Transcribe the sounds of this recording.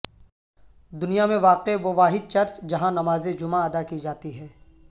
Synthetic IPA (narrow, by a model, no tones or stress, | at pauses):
d̪ʊnijamẽʋaːqeʋoʋaːɦɪd̪̚t͡ʃɐɾt͡ʃd͡ʒɐɦãnɐmaːzed͡ʒʊmãɐd̪akid͡ʒaːt̪iɦɛː